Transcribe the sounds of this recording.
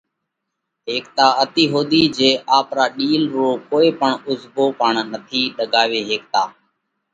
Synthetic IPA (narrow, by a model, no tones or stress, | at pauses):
ɦeːk̚t̪aːət̪iːɦoːd̪iːd͡ʒeːʔaːpɾaːɗiːlɾoːkoːeːpəɳʊzboːpəɳnət̪ʰiːɗəɡaːʋeːɦeːk̚t̪aː